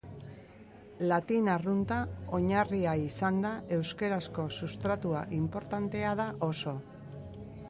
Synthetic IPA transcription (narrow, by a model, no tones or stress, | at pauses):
lat̪inarunt̪ao̞ɲariaisand̪ae̞wske̞ɾasko̞sust̪ɾat̪ua̰ʔimpo̞ɾt̪ant̪e̞aðaʔo̞so̞